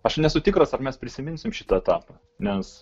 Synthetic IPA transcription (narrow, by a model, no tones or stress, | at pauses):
ɐʃnʲɛsʊt̪ʲɪkɾɐsɐrmʲɛspʲɾʲɪsʲɪmʲɪnʲsʲɪmʃʲɪt̪ɐɛt̪ɑːpɐ | nʲɛs